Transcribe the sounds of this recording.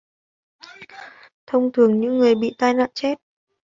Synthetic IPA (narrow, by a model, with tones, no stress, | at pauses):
t̪ʰə˧wŋ͡mt̪ʰɨ˨˩əŋɲɨ̰˧˥ŋːɨ˨˩əjɓḭ˧˨t̪aː˧jna̰ː˧˨nt͡ɕe˦˥t̚